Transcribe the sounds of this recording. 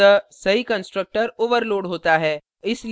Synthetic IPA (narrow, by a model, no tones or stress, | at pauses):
əsɐɦikə̃nsʈɾək̚ʈəɾoːʋəɾloːɽɦoːt̪aɦɛː | ɪsli